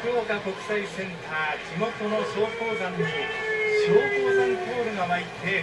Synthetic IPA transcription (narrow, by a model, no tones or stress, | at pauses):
kɯɾoːkako̞kɯ̟̥saisẽ̞nt̪ʰaːd͡ʑimo̞t̪o̞no̞ɕo̞ːko̞ːzanoɕoːhoːzaŋko̞ːɾɯ̟ɡaβait̪ʰe̞